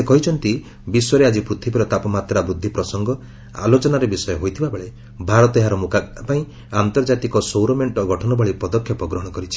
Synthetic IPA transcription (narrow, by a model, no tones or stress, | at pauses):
ekɔɦit͡ʃʰɔnt̪i | biswɔɾead͡ʒipɾut̪ʰibiɾɔt̪apɔmat̪ɾabɾud̪ʱːipɾɔsɔŋɡɔ | a̰lot͡ʃɔnaɾebisɔjɔɦojt̪ʰibabeɭe | bʱaɾɔt̪ɔeɦaɾɔmukapaĩ | ant̪ɔɾd͡ʒat̪ikɔsowɾɔmeɳʈɔɡɔʈʰɔnɔbʱɔɭipɔd̪ɔkʰːjɔpɔɡɾɔɦɔɽ̃ɔkɔɾit͡ʃʰi̥